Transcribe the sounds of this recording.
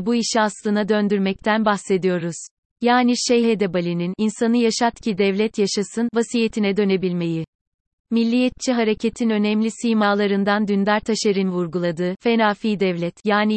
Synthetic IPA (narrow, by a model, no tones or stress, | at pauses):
buiʃiaslˠɯnad̪ønd̪yɾmɛc̚t̪ʰænbaxse̞d̪ijo̞ɾuz̥ | jaːniʃɛjɦed̪ɛbalʲinininsanɯjaʃat̪cʰid̪ɛvlʲɛt̪ʰjaʃasɯnvasijet̪ʰinɛd̪ø̞ne̞bilʲme̞ji | milʲːijɛt̪̚t͡ʃʰiɦaɾe̞cʰet̪ʰinø̞nɛmlʲisijmaːlˠaɾɯnd̪and̪ynd̪aɾt̪ʰaʃaɾɯnvuɾɡulˠad̪ɯːfe̞naːfiːd̪ɛvlʲɛt̪jaːni